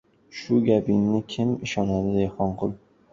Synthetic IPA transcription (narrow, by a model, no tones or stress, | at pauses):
ʃʊɡʲapɪnːɪkʲʰɪmɪʃɒnad̪ɪd̪eχɒɴqʰʊlˠ